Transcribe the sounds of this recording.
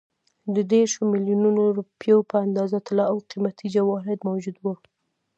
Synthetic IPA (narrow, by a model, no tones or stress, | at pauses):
d̪əd̪eɾʃomɪljununoɾupjopəand̪ɑzat̪ɪlɑawqimat̪ʰid͡ʒawɑɦɪd̪mawd͡ʒud̪wə